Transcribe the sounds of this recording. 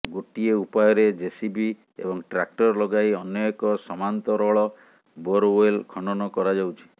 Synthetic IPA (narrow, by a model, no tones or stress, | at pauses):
ɡoʈieupajɔɾed͡ʒesibi | ḛbɔŋʈɾak̚ʈɔɾlɔɡajɔnjɔekɔsɔmant̪ɔɾɔɭɔ | boɾjlkʰɔɳɔnɔkɔɾad͡ʒawt͡ʃʰi̥